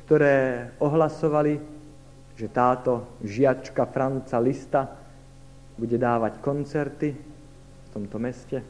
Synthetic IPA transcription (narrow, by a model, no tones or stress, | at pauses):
kt̪ɔɾɛːɔɦlasɔʋali | ʒɛt̪aːt̪ɔʒɪat͡ʃkafɾant͡salist̪a | buɟɛd̪aːʋackɔnt͡sɛɾt̪i | ft̪ɔmt̪ɔmɛscɛ